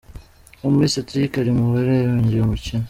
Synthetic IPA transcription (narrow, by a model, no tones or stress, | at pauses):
omumisatɾikaɾimuβeɾejoɲɟiomucin